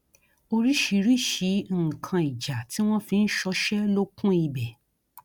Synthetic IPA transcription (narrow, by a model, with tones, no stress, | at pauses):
o˧ɾi˦ʃi˧ɾi˦ʃi˨˧˦ŋ̩˦˨kʰã˧i˨d͡ʒa˨tʰi˨˦w̃ɔ̃˦fĩ˧n̩˦ʃɔ˧ʃɛ˦lo˦kũ˦i˧bɛ˨